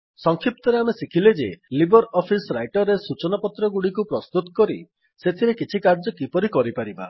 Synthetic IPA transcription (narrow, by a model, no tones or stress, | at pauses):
sɔŋkʰip̚t̪ɔɾeamesikʰiled͡ʒelibɔɾɔpʰisɾajʈɔɾesut͡ʃɔnapɔt̪ɾɔɡuɽikupɾɔst̪ut̪ɔ̥kɔɾḭ | set̪ʰiɾekit͡ʃʰikaɾd͡ʒɔkipɔɾikɔɾipaɾiba̰